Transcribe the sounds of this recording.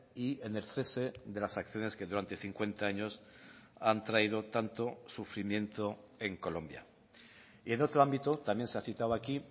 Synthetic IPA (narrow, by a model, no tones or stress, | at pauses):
ieneɾθe̞se̞ðe̞lasakθjo̞ne̞ske̞ðuɾant̪e̞θiŋkwe̞nt̪aaɲo̞sant̪ɾaiðo̞t̪ant̪o̞sufɾimjẽ̞nt̪oe̞ŋko̞lõ̞̰mbja̰ | ie̞no̞t̪ɾoambit̪ot̪amje̞nseaθit̪awaki